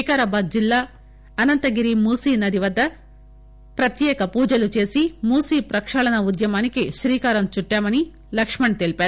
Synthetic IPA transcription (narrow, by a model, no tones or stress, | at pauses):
ikaːɾɐbaːd̪̚d͡ʒilːaː | ɐnɐnt̪ɐɡiɾimuːsiːnɐd̪iʋɐd̪ːɐ | pɾɐt̪jɛːkɐpuːd͡ʒɐlut͡ʃeːsimuːsiːpɾɐkʂɐɭɐnɐud̪jɐmaːnikeʃɾiːkaːɾɐmt͡ʃuʈːjaːmɐni | lɐkʂmɐɳt̪eːlpeː